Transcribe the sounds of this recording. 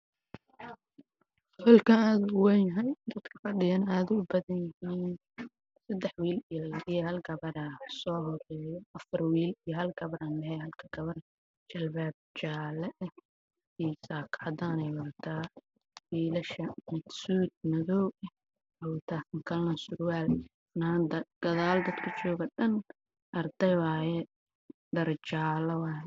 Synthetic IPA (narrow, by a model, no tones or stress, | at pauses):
fɛlkʰɐaːðʊʊwɛnjɐɦɛjd̪ɐd̪kʰɐ̥fɐɖɪjɐnaːðʊʊbɐðɐnjɪhiːn | sɐd̪ɛħwiːlijijɔhɐlɡɐβɐɾɐsɔːɦɔrɛːjɔʔɐfɐrwiːlijɔɦɐlɡɐβɐɾaːnlɛhɛjhɐlkʰɐɡɐβɐɾɐ | t͡ʃɐlbaːb̚t͡ʃaːlɛʔɛ | iːsaːkʰʕɑd̪aːnɛjwɐrt̪ʰaː | wiːlɐʃɐmɪd̪suːd̪̚nɐðɔw | ɛwt̪ʰakɐŋkʰɐlːɐsʊɾwaːl | nad̪ɐɡ̥ɐðaːld̪ɐd̪kʰɐt͡ʃɔːɣɐɗɐn | ʔɐrd̪ɐjwaːjɛ | ɖɐrt͡ʃaːlɐwaːjɛ